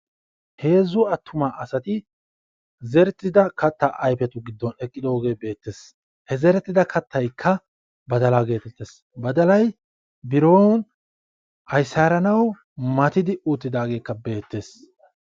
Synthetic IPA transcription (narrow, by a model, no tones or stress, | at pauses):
he̞ːzːʊɐt̪ːʊmaːʔɐsɐt̪ɪ | zɛɾt̪ʼːɪd̪ɐkɐt̪ːaʔɐjpɛt̪ʊɡɪd̪ːɔnɛkʼːɪd̪o̞ːɡe̞ːbe̞ːt̪ːe̞ːs | hɛzɛɾɛt̪ːɪd̪ɐkʰɐt̪ːɐjkʰːɐ | bɐd̪ɐlaɡe̞ːt̪ɛt̪ːeːs | bɐd̪ɐlɐj | bɪɾoːn | ɐjsaːɾɐnɐw | mɐt̪ɪd̪ɪuːt̪ːɪd̪aːɡe̞ːkːɐbe̞ːt̪ːe̞ːs